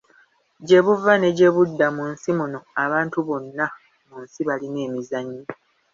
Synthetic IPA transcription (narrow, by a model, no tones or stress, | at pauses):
ɟe̞βuvane̞ɟe̞βudːamunsimuno̞aβaːntuβo̞nːa | munsiβaline̞ːmizaɲːi